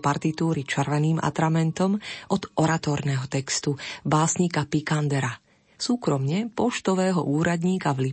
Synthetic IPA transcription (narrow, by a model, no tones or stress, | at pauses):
paɾt̪it̪uːɾit͡ʃɛɾʋɛniːmʔa̰t̪ɾamɛnt̪ɔmʔɔd̪ʔɔɾat̪ɔːɾnɛɦɔt̪ɛkst̪ubaːsɲikapikand̪ɛɾa | suːkɾɔmɲɛpɔʃt̪ɔʋɛːɦɔ̰ʔuːɾad̪ɲiːkavli